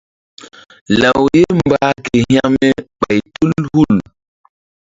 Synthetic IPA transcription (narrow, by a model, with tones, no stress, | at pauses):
la˨wje˦mbaː˦ke˨hj̃a˦mɛ˦ɓa˨jtu˦lhu˦˨l